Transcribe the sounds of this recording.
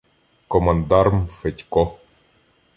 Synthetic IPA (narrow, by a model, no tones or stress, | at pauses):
kɔmɐnd̪aɾmfɛtʲkɔ